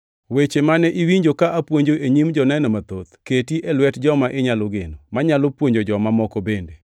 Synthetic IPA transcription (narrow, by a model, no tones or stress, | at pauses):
wet͡ʃemanɛʔiwiɲd͡ʒokaʔapwoɲd͡ʒoʔeɲimd͡ʒɔnɛnɔmat̪ot̪ketiʔɛlwɛtd͡ʒɔmaʔeɲalɔɡenomaɲalopwoɲd͡ʒod͡ʒɔmamɔkɔbende